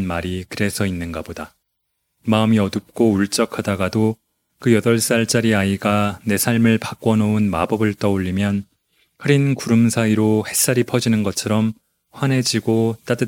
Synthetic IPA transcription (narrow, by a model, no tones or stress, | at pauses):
nmaɾikɯɾe̞sʰʌinːɯnɡaboda | maɯmiʌdɯp̚k͈ouɭt͡ɕ͈ʌkʰadaɡado | kɯjʌdʌɭs͈aɭt͡ɕ͈aɾiaiɡane̞sʰaɭmɯɭpak͈wʌnounma̰bʌbɯɭt͈ʌuʎːimjʌn | hɯɾinkuɾɯmsʰaiɾohe̞s͈aɾipʰʌd͡ʑinɯnɡʌt͡ɕʰʌɾʌm | ɸwane̞d͡ʑiɡot͈adɯ